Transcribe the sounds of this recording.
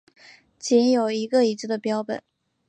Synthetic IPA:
t͡ɕi˧˥njo˨˩ʊi˧˥ɡə˧i˧˥t͡sɹ̩˥˩d̪ə˨pjɑ˥ʊpə̰˨˩˦

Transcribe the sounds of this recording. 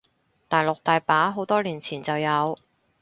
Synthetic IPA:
t̪aː˨˧jlʊ˨k̚t̪aː˨jpaː˨˥ɦo˨˥wt̪ɔː˥liː˨˩nt͡sʰiː˨˩nt͡sɐ˨wjɐ˨˧w

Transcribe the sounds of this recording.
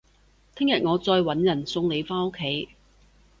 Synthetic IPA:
t̪ʰɪ˥ŋjɐ˨t̚ŋɔː˨˧t͡sɔː˧jwɐ˨˥njɐ˨˩nsʊ˧ŋle˨˧jfaː˥nʊ˥kʰːe˨˥˦j

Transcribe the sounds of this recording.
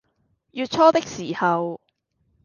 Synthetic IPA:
jyː˨˧t̚t͡ʃʰɔː˥t̪ɪ˥k̚siː˨˩hɐ˨w

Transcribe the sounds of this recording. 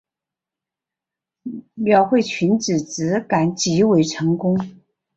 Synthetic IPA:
mjɑ˨˩ʊxwe˥˩ɪt͡ɕʰy˧˥nʈ͡ʂɻ̩˨˩t͡sɹ̩˧˥ka˨˩nt͡ɕi˧˥we˧˩ɪʈ͡ʂʰɤ˧˥ŋkʊ˥ŋ

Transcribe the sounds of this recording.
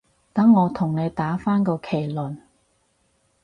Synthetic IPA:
t̪ɐ˨˥ŋːɔː˨˧t̪ʰʊ˨˩ŋne˨˧jt̪aː˨˥faː˥nkɔ˧kʰe˨˩lɵ˨˩n

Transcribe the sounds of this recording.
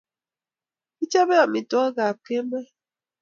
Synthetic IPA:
i˦t͡ʃa˦βe˦a˨mi˨tɔ˨˦ɡa˨p̚ke˦me˦

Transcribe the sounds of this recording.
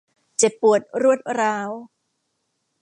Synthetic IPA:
t͡ɕe˨˩pːu˨˩ət̪̚ɾu˥˩ət̪̚ɾaː˦˥w

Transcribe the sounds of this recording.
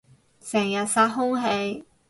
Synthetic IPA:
sɛː˨˩ŋjɐ˨˩t̚saː˧˥t̚ɦʊ˥ŋɦe˧j

